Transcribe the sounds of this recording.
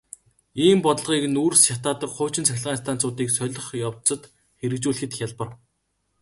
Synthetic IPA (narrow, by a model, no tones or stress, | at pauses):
iːmpɔt̪ə̆ɮʁiːkɘ̆nuːrsʃat̪aːt̪ə̆kχʊːt͡ɕɪ̆nt͡sʰæxʲɪ̆ɮʁaːnst̪ʰaːn̥t͡sʊːt̪iːksœɮʲɞ̆χjawt̪t͡sɞ̆t̪ | xeɾɘ̆k̚t͡ɕuːɮɘ̆xɘ̆t̪xʲjaɮpə̆r